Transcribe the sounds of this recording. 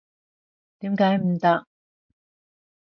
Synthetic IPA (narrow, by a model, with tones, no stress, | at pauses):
t̪iː˨˥mkaː˨˥jm̩˨˩t̪ɐ˥k̚